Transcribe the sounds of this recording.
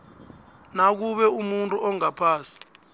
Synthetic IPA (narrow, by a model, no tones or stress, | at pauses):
nak̬uɓɛumuntʼuʔɔŋapʰaːsi̥